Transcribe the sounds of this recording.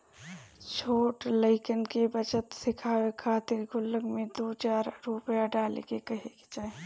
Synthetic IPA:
t͡ʃʰoːʈləɪkənkebət͡ʃət̪sɪkʰaːwekʰaːt̪ɪɾɡʱʊlːəɡmẽd̪oːt͡ʃaːɾːupjaɖaːlḛkekəɦekt͡ʃaːe

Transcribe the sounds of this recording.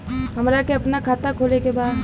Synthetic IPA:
ɦəmɾakeɐpnakʰaːt̪akʰoːlekebaːd̪

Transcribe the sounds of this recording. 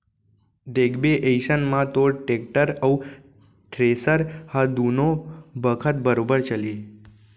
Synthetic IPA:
d̪eɡbeʔeisənmãt̪oʈek̚ʈəɾəu | t̪ʰɾesəɾhad̪unobəkʰət̪̚bəɾobəɾt͡ʃəli

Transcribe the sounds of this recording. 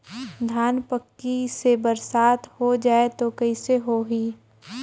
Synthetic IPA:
d̪ʱaːnpəkːisebəɾsaːt̪hod͡ʒaːet̪okɐiseɦoɦiː

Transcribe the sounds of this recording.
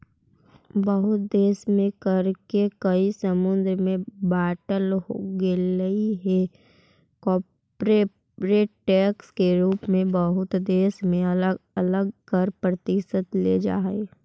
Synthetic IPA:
bəɦʊt̪̚d̪eːsmẽkəɾkekəisəmʊ̃nd̪ɾəmẽbaːʈəlɦo̰ɡeləiɦe | kɔː | pɾe | ɾeːʈːɛːkskeɾuːpmẽbəɦʊt̪d̪eːsmẽɐələɡkəɾpɾət̪ɪʃəd̪lḛd͡ʒa̰ːeː

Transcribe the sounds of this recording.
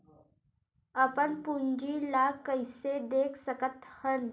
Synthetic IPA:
əpənpuɲd͡ʒilaːkːəɪsed̪eːkʰsəkət̪hən

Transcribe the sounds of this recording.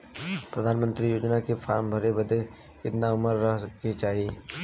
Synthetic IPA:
pɾɐd̪ʱaːnmə̃nt̪ɾijoːd͡ʒnakefa̰ːɾmbʱɐɾebɐd̪e | kɪt̪naʊməɾːɐɦket͡ʃaːɦieː

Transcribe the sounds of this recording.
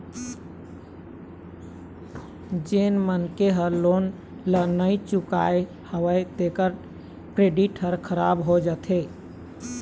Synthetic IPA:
d͡ʒenmənkeɦəɾlon | lənəjt͡ʃuka̰e | həwəjt̪ekəɾ | kɾeɖiʈɦəɾkʰəɾabɦod͡ʒət̪ʰe

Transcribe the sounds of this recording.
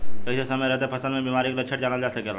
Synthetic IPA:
kəɪsesəməjɾɛɦt̪epʰəsəlmẽbiːmaːɾiklət͡ʃʰəʈd͡ʒaːnəld͡ʒasekela̰

